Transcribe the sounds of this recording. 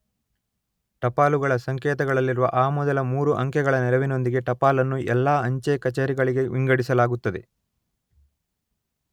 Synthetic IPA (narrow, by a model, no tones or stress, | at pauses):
ʈɐpaːluɡɐɭɐsɐŋkɛːt̪ɐɡɐɭɐlːiɾuʋɐ̰ʔaːmɔd̪ɐlɐmuːɾuʔɐŋkɛɡɐɭɐnɛɾɐʋino̞nd̪iɡe̞ʈɐpaːlɐnːuʔɛlːaːɐɲt͡ʃekɐt͡ʃeːɾiɡɐɭiɡe̞ʋiŋɡɐɽisɐlaːɡut̪ːɐd̪e̞̰